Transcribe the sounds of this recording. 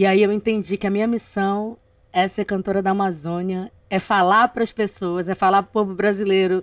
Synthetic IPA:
iaiewẽnt̪ẽnd͡ʒikɪɐmĩɲɐmisɐ̃w̃ | ɛɐseɾkɐ̃nt̪oɾɐd̪ɐamazõniɐ | ɛfalapɾɐspesoɐzɛfalaɾpɾʊpobʊbɾazilejɾʊ

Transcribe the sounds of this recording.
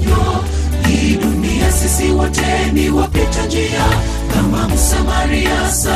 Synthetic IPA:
ɔ | hiɗuniasisiwatɛ | niwapɛtad͡ʒɛja | kamamusamaɾia | sa

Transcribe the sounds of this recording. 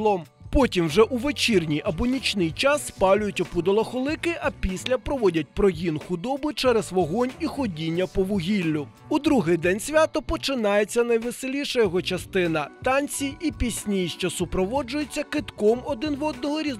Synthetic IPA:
lˠɔm | pɔtʲimwʒɛʔuʋet͡ʃirnʲijʔɐbɔnʲit͡ʃnɪjt͡ʃɑsːpɑlʲʊjʊtʲɔpud̪ɔlˠɐxɔlˠɪkɪʔɐpʲisʲlʲɐpɾɔʋɔdʲɐt̚ʲpɾɔɦʲinxʊd̪ɔbʊt͡ʃɛɾɛzʋɔɦɔnʲixɔdʲinʲːɐpɔʋʊɦʲilʲːʊ | ud̪ɾuɦɪjd̪ɛnʲsʲʋʲat̪ɔpɔt͡ʃɪnɑjet͡sʲːɐnɐjʋɪselʲiʃɐjɔɦɔt͡ʃɐst̪ɪnɐt̪ɑnʲt͡sʲiipʲisʲnʲijiʃt͡ʃɛsʊpɾɔʋɔd͡ʒʊjet͡sʲːɐkɪt̪kɔmɔd̪ɪnʋɔd̪̚nɔɦɔɾʲi

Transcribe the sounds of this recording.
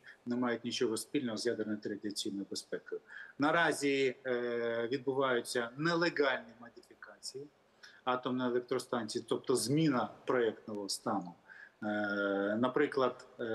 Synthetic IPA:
nɛmɑjʊtʲnʲit͡ʃɔɦɔspʲilʲnɔɦɔzjad̪ernɔjt̪ɾɐd̪ɪt͡sʲijnɔjbespɛkʊjʊnɐɾɑzʲi | ʋʲid̪̚bʊʋɑjʊt͡sʲːɐnɛlˠeɣɑlʲnʲimɐd̪ʲifʲikɑt͡sʲiji | ɑt̪ɔmnɛelˠɛk̚t̪ɾɔst̪ɑnʲt͡sʲijit̪ɔp̚t̪ɔzmʲinɐpɾɔɛk̚t̪nɔɦɔwst̪ɑnʊ | nɐpɾɪklˠɐd̪

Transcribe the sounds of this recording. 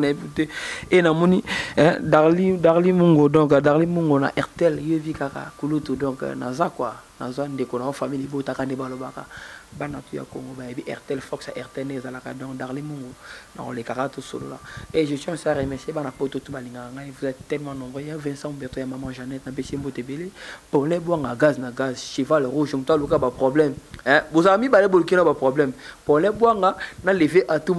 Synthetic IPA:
naputeenamɔniɛ̃daʁlidaʁlimuŋɡodɔ̃k̬daʁlimuŋɡona̰ʔɛʁtɛlevikaka̰kulutudɔ̃kna̰zakwana̰zwandekonawɔfamilebotakandebalobaka̰bana̰tuja̰ko̰ŋɡobajabiʔɛ̰ʁtɛlfɔksja̰ʔɛʁtɛlneezalaka̰dɔ̃kdaʁlimuŋɡona̰ko̰lekakatoso̰lo̰laeʒesɔ̃siaʁemɛsiebanapototubaliŋɡakaŋɡaevozatɛlmãnɔ̃mbʁɛavɛ̃sãbɛtojamamãʒanɛtnapesembotebelepɔlɛbwaŋɡaɡaznaɡazʃivalʁuʒmutalukbapʁoblɛmɛ̃bozakamibalebolukinabapʁoblɛmpolɛbwaŋɡanaleveʔatum

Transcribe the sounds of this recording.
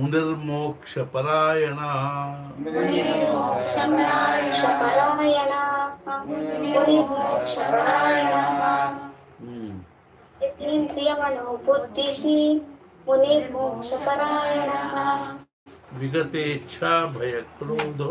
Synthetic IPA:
uniɾmoːkʃɐpɐɾaːjɐɳaɦɐ | uniɾmoːkʃɐɐnakʃɐpɐɾaɦɐjɐnaɦɐ | uniɾmoːkʃɐpɐɾaːjɐnaːɦɐ | et̪iːmt̪ijɐmɐnoːpud̪ːiɦi | muniɾmoːkʃɐpɐɾaːjɐnaɦɐ | ʋiɡɐt̪eːtːʃʰaːbʱɐjɐkloːd̪ʱ

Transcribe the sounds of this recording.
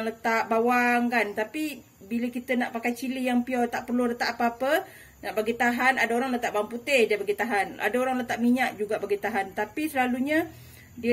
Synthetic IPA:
lət̪aʔbawaŋkant̪api | biləkit̪ənaʔpakajt͡ʃilijaŋpiɔt̪aʔpərlulət̪aʔapəapə | naʔbaɡit̪aɦanadaoɾaŋlət̪aʔbawaŋput̪ɪhdabaɡit̪aɦana̰daoɾaŋlət̪aʔ̚miɲaʔd͡ʒuɡabaɡit̪aɦant̪apisəlaluɲa | diə

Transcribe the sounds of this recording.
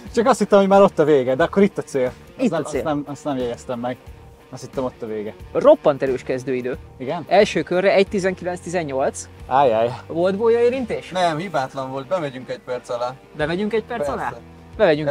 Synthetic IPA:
t͡ʃɒkɒst̪it̪ːɛmhoɟmaːɾo̞t̪ːɒveːɡɛd̪ɛɒkːoɾit̪ːɒseːl | itnːseːnɛmɒst̪nɛmjɛɡɛst̪ɛmːɛɡ | ɛst̪hit̪ːɛmo̞t̪ːɒveːɡɛro̞pːɒnt̪ɛɾyːʃkɛzd̪øːid̪øːiɡɛnɛlʃøːkørːɛɛct̪izɛŋkilɛnst̪izɛɲːo̞lt̪saːjaːjavo̞ld̪boːjɒeːɾint̪eːʃnɛmhibaːt̪lɒɱvo̞lt̪̚bɛmɛɟyŋkɛc̚pɛrt̪sɒlaː | bɛmɛɟyŋkɛc̚pɛrsɒlaː | bɛvɛɟyŋ

